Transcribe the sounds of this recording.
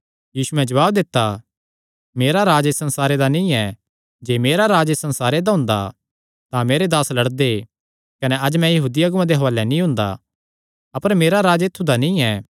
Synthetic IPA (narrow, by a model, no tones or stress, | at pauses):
jiːsuɛ̃d͡ʒɐʋaːbd̪ɪt̪ːa | meːɾaɾaːd͡ʒesɐ̃nsaːɾed̪anĩɛ | d͡ʒeːmeːɾaɾaːd͡ʒesɐ̃nsaːɾed̪aɦʊ̃ːnd̪a̰ | t̪ãmeːɾed̪aːslɐɽd̪e | kɐnɛɐd͡ʒmɛ̃jɐɦuːd̪iɐɡʊãd̪eɦɐʋaːlːɛnĩɦʊ̃nd̪a̰ | ɐpəɾmeːɾaɾaːd͡ʒet̪ʰːud̪anĩɛː